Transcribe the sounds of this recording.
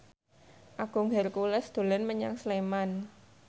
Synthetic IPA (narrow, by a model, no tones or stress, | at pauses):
ʔaɡ̥ʊ̤ŋɦɛrkulɛsd̪̥o̤lɛnməɲaŋsleman